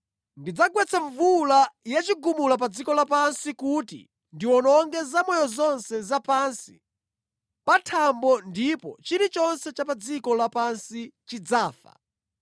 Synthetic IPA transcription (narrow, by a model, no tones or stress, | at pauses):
ndid͡zaɡwɛt͡sʰaɱvulajat͡ʃiɡumulap̬ad͡zikɔlapansikutḭ | ndiwɔnɔŋɡɛzamɔjɔzɔnsɛzapansi̥ | patʰambɔndipɔt͡ʃiɾit͡ʃɔnsɛt͡ʃapad͡zikɔlapansit͡ʃid͡zaːfa̰